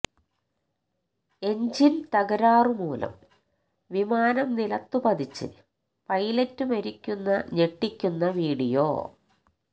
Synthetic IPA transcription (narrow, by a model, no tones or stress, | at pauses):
e̞ɲd͡ʑint̪ɐɣɐɾaːrɨmuːlɐ̰m | ʋimaːnɐmnilɐt̪ːupɐd̪it͡ɕːɨ̰ | pɐjlɐtːumɐɾikʲːunːɐɲe̞ʈːikʲːunːɐʋiːɽijo̰ː